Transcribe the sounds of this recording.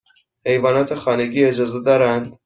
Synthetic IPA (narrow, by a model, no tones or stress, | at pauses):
hejvɑːnɑːt̪ʰexɑːneɡiːed͡ʒɑːzed̪ɑːɾænd̪